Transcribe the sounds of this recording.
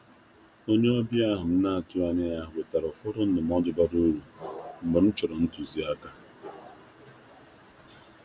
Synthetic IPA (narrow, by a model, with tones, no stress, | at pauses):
o˦ɲe˦ɔ˦bja˦ɦʊ˨m̩˦na˦a˨tu˦a˦ɲɪ˦a˦˨we˨ta˨ɾɔ˨fʊ˦ɾʊ˦n̩˦dʊ˨m˦ɔ˦dʊ˦ba˦ɾu˦ɾu˨m̩˨bʊ˨n̩˦t͡ʃʊ˨ɾɔ˨n̩˦tu˨zi˦a˦ka˦